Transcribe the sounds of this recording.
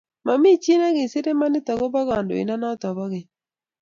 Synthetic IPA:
ma˨mɪ˦˨t͡ʃi˦na˦ɡɪ˨sɪ˦ɾe˦ma˦nɪ˦tɔ˨ɡɔ˦bɔ˦ɡa˨ndo̰˨ḭ˨na˦na˦tɔ˨bɔ˦ɡɪ˨

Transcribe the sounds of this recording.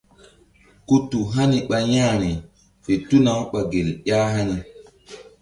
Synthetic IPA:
ku˦tu˨ɦa˦ni˨ɓa˨jã˦˨ɾi˨ | fe˨tu˦na˨˦ɓa˨ɡe˨lɗa˦ɦa˦ni˨

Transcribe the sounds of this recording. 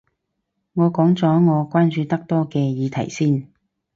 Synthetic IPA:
ŋɔː˨˧kɔː˨˥ŋt͡sɔː˨˥ŋɔː˨˧kʷaː˥nt͡ʃyː˧t̪ɐ˥k̚t̪ɔː˥kɛː˧jiː˨˧t̪ʰɐ̰˨˩jsiː˥˩n

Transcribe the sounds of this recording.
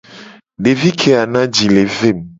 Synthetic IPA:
ɖe˨vi˦kʰe˨a˨nã˦d͡ʑi˨le˨ve˦˨m

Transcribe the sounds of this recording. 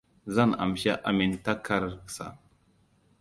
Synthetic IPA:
za˦na̰˨m˨ʃa˦ʔa˨mi˨nta˦ka˦ɾsa̰˨

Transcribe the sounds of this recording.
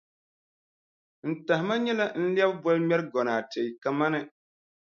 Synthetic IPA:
n̩˨ta˨hɪ˨ma˦ɲɛ˦la˦n̩˦ljɛ˦bbɔ˦lmʲɛ˦ɾɡɔ˨naː˨te˨i˨ka˨ma˦nɨ˦

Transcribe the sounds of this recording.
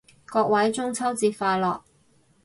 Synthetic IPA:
kɔː˧k̚wɐ˨˥jt͡sʊ˥ŋt͡sʰɐ˥wt͡siː˧tfaː˧lɔː˨k̚

